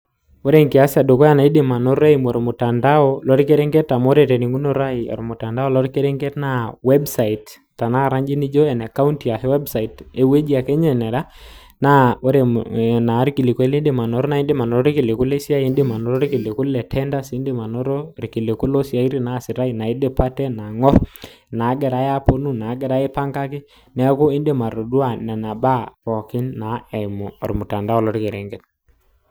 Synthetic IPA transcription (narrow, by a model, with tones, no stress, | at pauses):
wo˦ɾe˦˨ŋki˨a˦si˦a˨do˨kɔ˦a˨na˨i˦di˨ma˨nɔ˦ɾa˦i˨mɔ˨ɾo˨mu˨ta˨nda˦ɔ˦lɔ˦ɾi˦ke˦ɾɛ˦ŋɡɛ˦ta˨mo˦ɾe˨tɛ˨ni˨ŋɡu˦no˦ɾa˦i˨ɔ̰˨ɾmʊ˨ta˨nda˦ɔ˦˨lɔ˦ɾi˦ke˦ɾɛ˦ŋɡɛ˦tna˦wɛ˦bsa˨i˨t | ta˨na˦˨ɾa˦ɲd͡ʒi˦ni˦d͡ʒɔ˦ɛ˨na˨ka˦u˦nti˨a˨he˦wɛ˦bsa˨i˨te˦we˦d͡ʒi˦a˨kɛ˦ɲɛ˨nɛ˨ɾa˦ | na˦o˦ɾe˨na˨˦ɾi˦ki˨li˨ke˦le˦nde˦˨ma˨nɔ˨ɾɔ˦na˨i˦nde˦ma˨nɔ˨ɾɔ˦ɾi˦ki˨le˨ku˦le˦si˦a˦jndɪ˦ma˨nɔ˨ɾɔ˦ɾi˦ki˨le˨ku˦lɛ˨tʰɛ˦nda˦si˦nde˦ma˨nɔ˦ɾo˦ɾi˨ki˨le˨kʊ˦lɔ˦sja˨i˦ɾi˦na˨sɪ˨ɾa˦i˦na˨i˦de˦pa˦tɛ˦na˨ŋɔ˦ɾ | na˨˦ɡɛ˨ɾa˨˦ja˦po˦nu˦na˨˦ɡɛ˨ɾa˦e˦pa˦ŋɡa˦kɪ˦ | nɛ˨˦ko˦ɪ˦nde˦˨ma˨ɾo˨du˦a˦˨nɛ˨na˨ba˦pɔ˨kɪ˦nːa˨˦ɛ˨mɔ˨ɔ̰˨ɾmʊ˨ta˨nda˦ɔ˦lɔ˦ɾi˦ke˨ɾɛ˨ŋɡɛ˦t